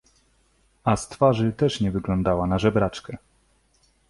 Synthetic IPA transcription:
ast̪faʐɘt̪ɛʂɲɛvɘɡlɔ̃nd̪awanaʐɛbɾat͡ʂkɛ

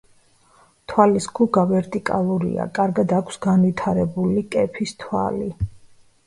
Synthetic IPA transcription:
t̪ʰwaliskʰuɡavɛɾt̪ʼikʼa̰lˠuɾḭa̰kʼaɾɡad̪akʷʰsɡanvit̪ʰaɾɛbulikʼɛpʰist̪ʰwa̰li

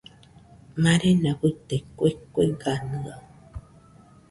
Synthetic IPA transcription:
maɾenabɨt̪ekoekoeɡanɨa

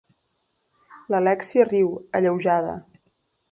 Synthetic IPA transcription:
ləlɛksiəriwəʎəwʒaðə̰

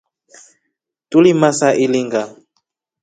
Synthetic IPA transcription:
tulimasaʔiliŋɡa

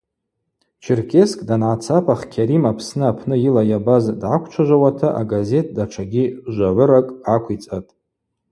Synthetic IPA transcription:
t͡ʃʰirkʰʲe̞skʼdanʕat͡sʰapʰaχkʲʰaɾimapʰsnɨapʰnɨjilajabazdʕakʷʰt͡ʃʷʰaʒʷawatʰaʔaɡaze̞t̚ʰdaʈ͡ʂʰaɡʲiʒʷaʕʷʊɾakʼakʷʰit͡sʼatʼ

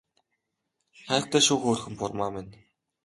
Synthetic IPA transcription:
χæ̆ːχt̪æːʃuːxoːr̆xɘ̆mpʊrmaːmɪn

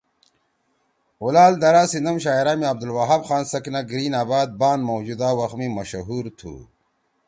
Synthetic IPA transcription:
ulaːld̪ɐɾaːsind̪ɐmɕaːiɾaːmiɐb̚d̪ulwaɦɐbxaːnsɐknaɡɾiːnaːbaːd̪̚baːnmowd͡ʑud̪aːwɐxmimɐɕɐɦuːɾt̪ʰṵː

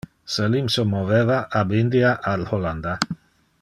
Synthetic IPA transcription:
selimsomovevaʔabind̪iaʔalholand̪a

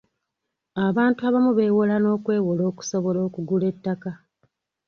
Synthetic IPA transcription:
aβaːntuaβamuβe̞ːwolano̞ːkwe̞ːwolo̞ːku̥so̞βo̞lo̞ːkuɡule̞tːaka

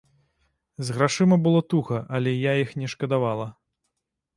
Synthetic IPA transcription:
zɣɾaʂɨmɐbɨlˠɔt̪uxɐʔɐlʲɛjaixnʲɛʂkɐd̪avalˠɐ

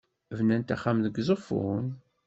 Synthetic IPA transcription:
vnænt̪æχːamðəɡzˤəfṵn

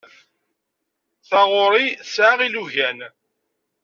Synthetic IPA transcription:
θɑʁoɾˤisʕaʁiluʝæn

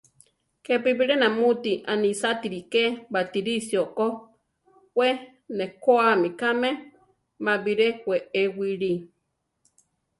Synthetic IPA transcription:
kepibiɾenãmut̪iʔanĩsat̪iɾikebat̪iɾisioko | hwʷe | nekoamikame | mãbiɾehweewiɾi

